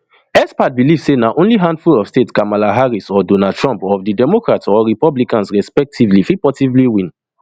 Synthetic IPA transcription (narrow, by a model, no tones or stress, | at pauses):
ɛspat̚bilivsenaʔõnliɦãndfulɔv̥stetkamalaɦaɹisɔdonad̚tʰɹãmpɔfdidɛmokɹatsɔɹipɔblikãnsɹɛspɛk̚tʰivlifipɔtivliwĩn